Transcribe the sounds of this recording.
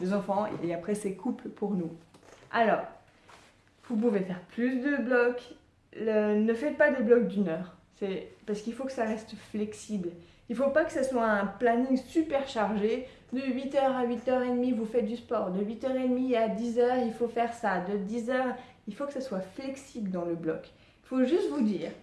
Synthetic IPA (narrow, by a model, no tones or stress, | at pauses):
lezɑ̃fɑ̃ḛeapχɛsɛkʰuplpʰuʁnua̰lɔːʁ | vup̬uvefɛʁplysd̪əblɔk | lənəfɛt̪pad̪əblɔk̚d̪ynœːʁ | sɛpaʁsəkilfokə̥saʁɛst̪flɛksibl | ilfopakə̥saswaɛ̃planiŋsypɛʁʃaʁʒe | d̪əɥit̪œʁaɥit̪œʁed̪mivufɛt̪̚d̪yspɔːʁd̪əɥit̪œʁed̪miad̪izœːʁilfofɛʁsad̪əd̪izœʁ | ilfokə̥saswaflɛksibləd̪ɑ̃ləblɔ̰k | ilfoʒyst̪vud̪iːʁ